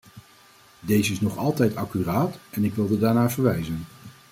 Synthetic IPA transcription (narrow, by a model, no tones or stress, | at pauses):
dejzəɪsnɔχɑlˠtɛjtɑkyraːtɛnɪkʋɪlˠdədaːɹnaːvəɹʋɛjzən